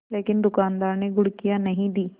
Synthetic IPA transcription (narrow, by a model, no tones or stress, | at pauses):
leːkɪnd̪ʊkaːnd̪aːɾneɡʱʊɽkijãnɐɦĩd̪iː